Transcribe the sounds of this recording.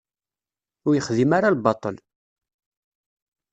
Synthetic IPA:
ʊɾjəχðimaɾalbɑt̪ˤəl

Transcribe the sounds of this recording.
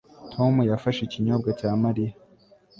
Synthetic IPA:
tʰo̞mujafaʃiciɲobɡacaːmaɾija

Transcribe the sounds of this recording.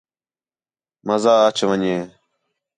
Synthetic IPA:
məzaːət͡ʃʰʋəɲeː

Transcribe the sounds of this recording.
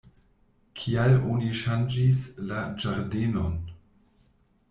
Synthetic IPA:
kʰialoniʃand͡ʒislad͡ʒaɾdeno̞n

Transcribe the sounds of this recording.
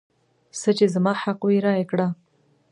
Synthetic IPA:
sət͡ʃezamɑhaqwiɾɑjekɽa

